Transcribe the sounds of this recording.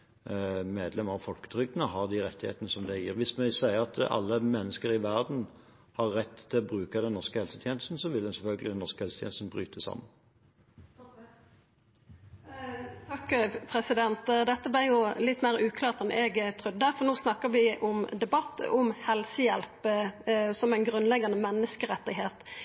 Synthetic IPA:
meːd̪lɛmɑʋfɔlkə̥t̪ʰɾʏɡnəɦɑʁd̪ɪʁɛt̪ːɪhḛːt̪ənəsɔmd̪ɛjɪːʁʋɪsmɛsæɪəʁɑt̪ɑ̰lːəmɛnːəskəɾɪʋæʁd̪n̩ | hɑʁːɛt̪ːt̪ʰːɪlɔbɾʉːkɑd̪ɛnnːɔʁskəhɛlsət̪ʰjɛːnəst̪n̩sɔʋɪld̪ɛnsɛlfœlɡəlɪd̪ɛnːɔskəhɛlsət̪ʰɛ̰ːnst̪n̩bʁyːt̪ʰəsɑ̰mːən | t̪ʰɑkːpʰɾɛsɪd̪ɛnt̪d̪ɛt̪ːəblɪjʊlɪt̪ːmeːɾʉːkʰlɑːʁt̪ɛnʔɛɡt̪ʰʁʏd̪ːəfɔʁnoːsnɑkːəɾʋɪʔʊmd̪ɛbɑt̪ːɔmhɛlsəjɛlp | sɔmæɪnɡʁʉnlɛɡɑnəmɛnːəskəɾɛt̪ːɪɦeːt̪

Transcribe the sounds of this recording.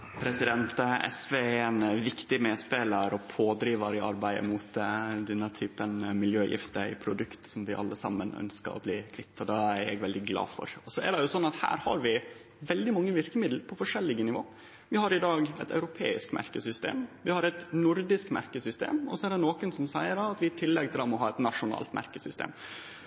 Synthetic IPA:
pʰɾɛsɪd̪ɛnt̪əɛ̰sʋeːɛnʋɪkt̪ɪmeːspeːləɾɔpʰoːd̪ɾiːʋɑɾɪɑ̰ɾbæɪə̰mʊt̪d̪ɛnːət̪ʰyːpənmɪljøːjʔɪ̰ft̪əɪ̰pʰɾʊd̪ʉkt̪sɔmʋɪʔɑ̰lːəsɑ̰mːənœ̰nskə̰ɾɔ̰bliːkʰʋɪt̪ʰːɑd̪ɑæɾɛ̰ɡʋɛld̪ɪɡlɑ̰ːfɔ̰ɾɔsɔæɖɛjʊsɔnːɑt̪hæ̰ːɾhɑ̰ɾʋɪ | ʋɛld̪ɪmɑŋːəʋɪɾkəmɪd̪l̩pʰɔfɔʂɛlːɪɡənɪʋo̰ː | ʋɪhɑɾɪd̪ɑːɡɛɪt̪ɑ̰ʉɾʊpʰḛːɪskmæ̰ɾkəsʏst̪ḛːmʋɪhɑɾɛt̪nʊɾd̪ɪskmæ̰ɾkəsʏst̪ḛːmɔsɔɛæɖɛnoːkənsɔmsæɪəɖɑɑt̪ʋɪɪt̪ʰɪlːɛɡt̪ɪlɑmɔɦɑːɛt̪nɑʂʊnɑ̰ːlt̪mʔæ̰ɾkəsʏst̪ḛːm

